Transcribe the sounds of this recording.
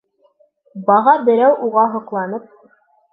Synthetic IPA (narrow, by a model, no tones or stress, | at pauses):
bɑʁɑbɘ̆ɾæwʔuʁɑɦɤ̆qlˠɑnɤp̚